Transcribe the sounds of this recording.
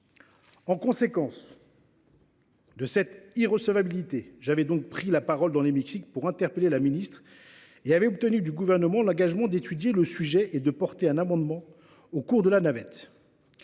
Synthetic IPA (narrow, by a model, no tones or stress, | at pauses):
ɑ̃kɔ̃sekɑ̃s | d̪əsɛt̪iʁəsəvabilit̪eʒavɛd̪ɔ̃k̚pχilapaʁɔld̪ɑ̃lemiksik̚puʁɛ̃t̪ɛʁpəlelaminist̪χ | eavɛɔp̚t̪ənyd̪yɡuvɛʁnəmɑ̃lɑ̃ɡaʒmɑ̃d̪et̪yd̪jeləsyʒɛʔed̪əpɔʁt̪eɛ̃namɑ̃d̪mɑ̃ | okuʁd̪əlanavɛt̪